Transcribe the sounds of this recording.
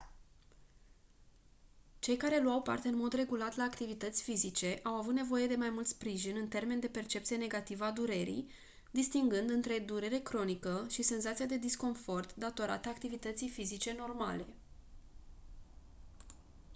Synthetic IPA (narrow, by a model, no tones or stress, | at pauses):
t͡ʃe̞jkaɾe̞luawpa̰rt̪e̞ɨnmo̞d̪re̞ɡulat̪laːkt̪ivit̪ət̪sʲfizit͡ʃe̞ʔawavut̪ne̞vo̞je̞d̪e̞majmult̪spɾiʒinɨnt̪e̞rme̞nd̪e̞pe̞rt͡ʃept̪sije̞ne̞ɡat̪ivəad̪uɾeɾḭj | d̪ist̪iŋɡɨnd̪ɨnt̪ɾe̞d̪uɾeɾe̞kɾo̞nikəʃise̞nzat̪sijad̪e̞d̪isko̞nfo̞rt̪d̪at̪o̞ɾa̰t̪əakt̪ivit̪ət̪sijfizit͡ʃe̞no̞rma̰le̞